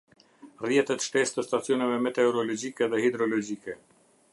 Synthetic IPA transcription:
rjɛt̪ɛt̪ʃt̪ɛst̪əst̪at͡sijɔnɛvɛmɛt̪ɛɔɾɔlɔd͡ʑikɛðɛhid̪ɾɔlɔd͡ʑikɛ

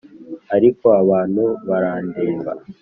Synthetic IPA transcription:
aɾiko̞aβaːn̥huβaɾaːndeːmba̰

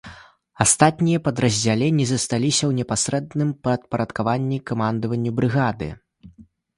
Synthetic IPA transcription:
ast̪at̪̚nʲijɐpɐd̪ɾɐzʲd͡zʲalʲɛnʲːizɐst̪alʲisʲɐwnʲɛpasɾɛd̪nɨmpɐt̪̚pɐɾɐt̪kavanʲːikamand̪ɐvɐnʲːubɾɨɣad̪ɨ̰

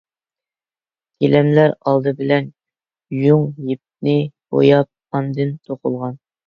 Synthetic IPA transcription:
k̪ʲʰelɛmlæɾɑlˠd̪ɨbɪlɛn | juŋjip̚nɪbo̰jɑp̚ɑnd̪ɨnt̪ʰoqʰʊlˠʁɑn

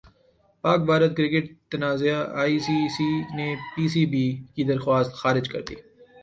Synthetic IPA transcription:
paːk̚bʱaːɾət̪̚kɾɪkɪʈ̚t̪ɐnaːzejaaːiːsiːsinepiːsiːbiːkid̪ɐɾxwaːst̪xaːɾɪd͡ʒkɐ̰ɾt̪ḭː

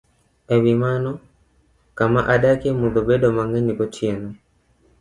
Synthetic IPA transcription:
ɛβimanɔ | kamaʔaɗakɛmuðɔbɛɗɔmaŋɡɛnikɔt͡ʃjɛnɔ

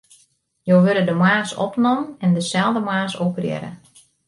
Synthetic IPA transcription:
joːʋøɾədəmaːsɔ̰pnɔmənɛndəsɛlˠdəmaːsoprjɛ̰ɾə̰

